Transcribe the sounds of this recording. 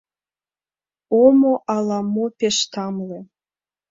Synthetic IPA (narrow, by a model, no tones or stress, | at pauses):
omoʔɑlɑmopeʃt̪ɑmlĕ